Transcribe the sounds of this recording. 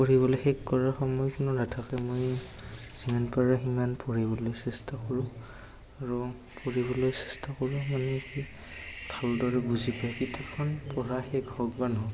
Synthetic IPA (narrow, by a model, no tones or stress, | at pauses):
poɹiβɔlojxɛkkːɔɹaxɔmɔjkʊnɔɹatʰakɛmoj | z̥imanpaɹaximanpɔɹibɔlojsɛstakoɹʊ̃ | aɹu | poɹibɔlojsɛ̥stakoɹũmanɛki | bʱaldɔɹɛbuzipajkitʰapkʰɔnpɔɹaxɛɡhɔɡbanɦɔ